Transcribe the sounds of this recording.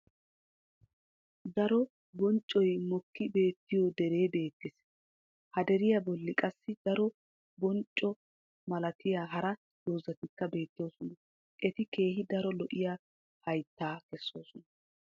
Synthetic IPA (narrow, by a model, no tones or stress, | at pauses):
d̪ɐɾɔ | bɔnt͡ʃʼːɔjmɔkːɪbe̞ːt̪ːɪjod̪ɛɾe̞ːbe̞ːt̪ːɪs | hɐd̪ɛɾɪjɐbɔlːɪkʼɐsːɪd̪̥ɐɾɔ | bɔnt͡ʃʼːɔ | mɐlɐt̪ɪjaːɦɐɾɐ | d̪̥oːzɐt̪ɪkːɐbe̞ːt̪ːɪjoːsɔnɐ | ʔɛt̪ɪke̞ːhɪd̪ɐɾɔlɔʔɪjaː | hɐjt̪ːaːkɛsːo̞ːsɔnɐ